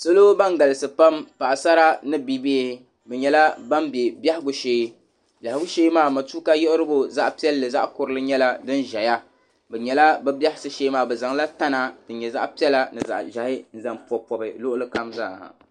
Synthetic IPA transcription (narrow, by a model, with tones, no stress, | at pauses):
so˦lo˦ba˦ŋɡa˨lɨ˨sɨ˨pa˦mpa˨ʔa˨sa˦ɾa˦nɨ˦bi˦beː˦˨˦ | bɛ˨ɲɛ˨la˦ba˦mbjɛ˨ba˦hɪ˦ɡʊ˦ʃeː˦ | bʲja˨hɪ˦ɡʊ˦ʃe˦maː˦˨ma˨tuː˦ka˦jɛ˦ʔʊ˦ɾɨ˦bo˦za˦ʔpi˦ɛ˦lːɨ˨za˦ʔkʊ˨ɾɨ˦lɨ˦ɲɛ˦la˦dɨ˦nʒɛ˨ja˦ | bɛ˨ɲɛ˨la˦bɛ˦ba˦hɪ˦sɨ˦ʃeː˦maː˨bɛ˨za˨ŋla˦ta˦na˨d̥ɨ˨ɲɛ˨za̰˦ʔpi˦ɛ˦la˦nɨ˨za̰˨ʔʒa˨hɪ˦n̩˦za˨mpɔ˨pɔ˨bɨ˨lʊ˦ʔʊ˦lɨ˦ka˦mza̰ː˦˨